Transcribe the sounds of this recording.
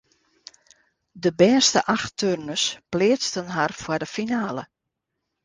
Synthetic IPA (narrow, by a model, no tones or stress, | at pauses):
dəbɛːstəʔaxtørnəsplɪːət͡stənɦarfwərdəfinaːlə